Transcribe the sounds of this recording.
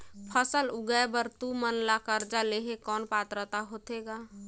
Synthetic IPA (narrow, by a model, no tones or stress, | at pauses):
pʰəsəlʊɡajbəɾt̪umənlakəɾd͡ʒaleɦekɔːnpaːt̪ɾət̪aɦoːt̪eːɡaː